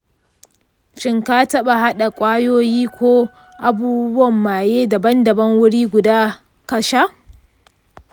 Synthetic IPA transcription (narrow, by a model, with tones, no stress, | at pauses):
ʃɪ˦ŋka˦tɐ˦ɓa˨ɦa˦ɗa˨kʷʼaː˦joː˦jiː˦kʷoː˦ | ʔa˨buː˦bʊ˦wɐ˨mːaː˨jeː˦da˨bɐ˦ndɐ˨bɐ˦ŋwʊ˦ɽiː˦ɡʷʊ˨daː˦ | kɐ˨ʃa˦ʔ